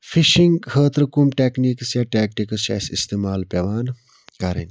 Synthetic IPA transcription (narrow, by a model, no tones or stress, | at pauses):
fiʃiŋɡhəːt̪ɾɨkumʈeːkniksjaʈeːk̚ʈikəsɐ̰sist̪eːmaːlpʲɐʋaːn | kɐɾɐ̰n